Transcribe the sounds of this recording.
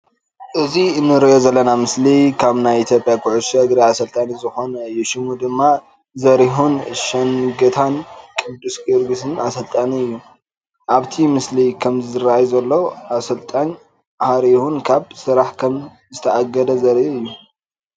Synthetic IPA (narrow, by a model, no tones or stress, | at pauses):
ʔɨziɨnːɨɾijozɐlːɐnamɨslikʰaβnajit̪ʰjo̞pʼjakʰʊʕusɐɡ̪ɾiasɐlt̪ʼanizɨxo̞nɐɨjːuʃɪmud̪ɨmːa | zɐɾiɦunʃɐŋɡɐt̪ʰankʼɨd̪ːuskʼɨɾɡɨsɨnasɐlt̪ʼaniɨjːu | ʔaβt̪ʰimɨslikʰɐmzɨɨɾaajzɐlːowʔasɐlt̪ʼaɲ | haɾihunkʰaβsɨɾaħkʰɐm | zɨt̪ʰɐʔaɡɐd̪ɐzɐɾihuɨjːu